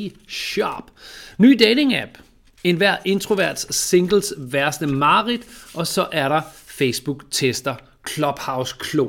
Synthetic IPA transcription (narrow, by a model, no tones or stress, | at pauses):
ɕɒ̰b̥ny̰ːd̥eɪne̝ŋæb̥ | e̝nʋæɐ̰e̝nt͡sʰʁoʋæɐd̥se̝ŋɡ̥l̩sʋæɐsd̥əmɑ̈ːʁid̥ʔɒ̽sɒ̽ʔæɐɾɑ̈feɪsb̥uɡ̥t͡sʰesd̥ɐ | kʰlɒ̽b̥hɑ̈ʊskʰlu